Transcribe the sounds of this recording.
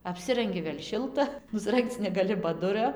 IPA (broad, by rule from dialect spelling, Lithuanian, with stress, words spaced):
ɐpʲˈsʲɪrɐŋʲɡʲɪ ʋʲeːlʲ ˈʃʲɪlˠtɐ nʊsˈrɐŋkt͡s nʲɛɡɐˈlʲɪ bɐ ˈdʊrʲɛ